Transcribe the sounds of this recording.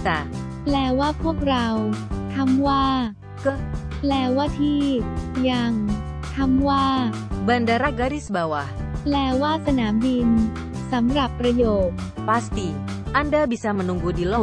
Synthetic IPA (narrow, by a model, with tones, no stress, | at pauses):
t̪a˧ | plɛː˧waː˥˩pʰu˥˩ək̚ɾa˧wt̪ʰa˧mwaː˥˩ | kə˦plɛː˧˩waː˥˩t̪ʰiː˥˩ja˧˩ŋ | t̪ʰa˧mwaː˥˩ | ba˨nda˧ɾa˦ɡa˧ɾi˦sba˨wa˧hplɛː˧waː˥˩sa˧naː˩˦mbi˧n | sa˩˦mɾa˨˩pːɾa˧joː˨˩t̪̚ | pa˦st̪i˧ | ʔa˧nda˦bi˨sa˧mə˧nu˧ŋɡu˧di˨lɔ˦